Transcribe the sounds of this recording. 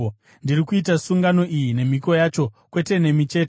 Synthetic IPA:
ndirikuitasuŋɡano̞ʔijine̞miko̞jat͡ʃo̞kwe̞te̞ne̞mit͡ʃe̞ːte

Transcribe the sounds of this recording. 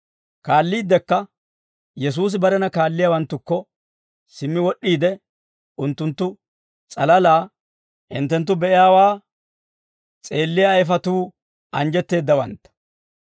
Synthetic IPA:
kaːlːiːd̪ːɛkːɐ | jɛs̬uːs̬ɪbɐɾɛnɐkaːlːɪjawɐnt̪ːʊkːɔ | sɪmːɪwɔʔːiːd̪ɛ | ʊnt̪ːʊnt̪ːʊ | t͡sʼɐlɐlaː | hɪ̰nt̪ːɛnt̪̬ːʊbɛʔɪjaːwaː | t͡sʼe̞ːlːɪjajfɐt̪uː | ɐnd͡ʒɛt̪ːe̞ːd̪ːɐwɐ̰nt̪ːɐ̥

